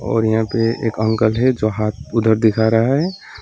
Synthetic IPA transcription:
ɔ̰ːɾjɐɦãpeḛːkə̃ŋkəlɦɛd͡ʒoɦaːt̪̚ʰʊd̪ʱəɾd̪ɪkʰaːɾaɦɛ

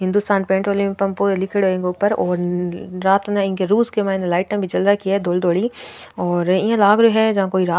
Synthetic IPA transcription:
ɦɪ̃nd̪ʊst̪aːnpẽːɳʈɾoːlimẽpɐmpuːɾelɪkʰɪɽɦoːẽːŋɡeʊpːəɾɔːɾɾaːt̪neɪnkeɾuːskemaːɪnd̪laːɪʈə̃bʱid͡ʒɐlɾakiaɦɛd̪oːld̪oːɽiɔːɾɪjãlaːɡɾuɦɛd͡ʒɐɦãkoːiɾaː

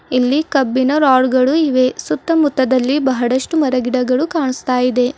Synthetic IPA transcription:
ilːikɐbːinɐɾaːɽɡɐɭuiʋe̞sut̪ːɐmut̪ːɐd̪ɐlːibɐɦɐɽɐʂʈumɐɾɐɡiɽɐɡɐɭukaːɳust̪aːjid̪e̞

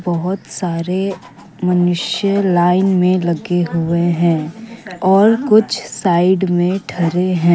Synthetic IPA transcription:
bɐɦʊt̪saːɾe | mɐnʊʃjəlaːɪnmẽlɐɡeɦʊeɦɛ̃ːɔːɾkʊt͡ʃʰsaːɪɖmẽʈʰɐɾeɦɛ̃ː

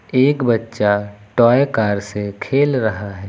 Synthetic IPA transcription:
eːkbətːʃaʈɔːjkaːɾsekʰeːlɾɐɦaɦɛː

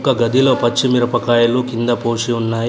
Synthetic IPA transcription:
kɐɡɐd̪iloːpɐt͡ʃːimiɾɐpɐkaːjɐlukind̪ɐpoːʂiunːaːj

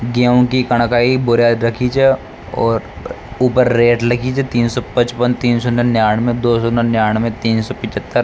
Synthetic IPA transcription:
ɡaːʊ̃kikɐɽ̃kaːibʊɾjaːd̪ɾɐkʰit͡ʃʰɛ | ɔ̰ːɾ | uːpəɾːeːʈlɐkʰit͡ʃʰɛt̪iːnsɔpɐt͡ʃpənt̪iːnsɔnənjaːɽ̃mẽd̪oːsɔnənjaːɽ̃mẽt̪iːnsɔpɪt͡ʃət̪ːəɾ

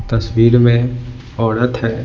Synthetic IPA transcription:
t̪ɐswiːɾmẽ | ɔːɽət̪ɦɛː

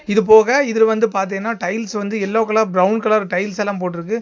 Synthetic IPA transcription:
ɪðɯp̬oːɣɐɪðɪlʋɐnd̪ɯpaːɾt̪̬eːŋɐnːaːʈɐɪlsʋɐnd̪ɯɛlːoːkːɐlãːbɾɐʊnkɐlaːɾʈɐɪlsɛlːaːmp̬oːʈːɪɾɯk̬ːɯ

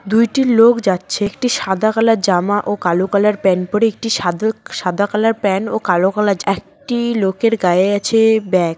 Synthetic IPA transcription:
d̪ujʈilokd͡ʑatːɕʰekʈiʃad̪ʱakalaɾd͡ʑamaʔokalokalaɾpɛnpɔɾeek̚ʈiʃaʃad̪ʱakalaɾpɛnokalokalad͡ʑɛk̚ʈilokeɾɡaeat͡ɕʰebɛk̚

